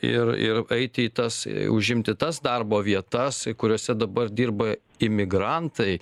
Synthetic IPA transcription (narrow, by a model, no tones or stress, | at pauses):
ɪ̰rɪ̰rɐɪt̪ʲɪiːt̪ɐsʊʒʲɪmʲt̪ʲɪt̪ɐsd̪ɐrboːʋʲiɛt̪ɐskʊɾʲoːsʲɛd̪ɐbɐrd̪ʲiːrbɐ | ɪmʲɪɡɾɐnt̪ɐɪ